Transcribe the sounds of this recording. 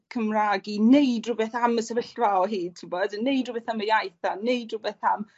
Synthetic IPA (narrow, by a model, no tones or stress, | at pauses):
kʰəmraːɡinejdrʊbɛθaməsɛvɪɬvalˠɦiːd̚tʰɪbɔdnejdrʊbɛθaməjajθanejdrʊbɛθam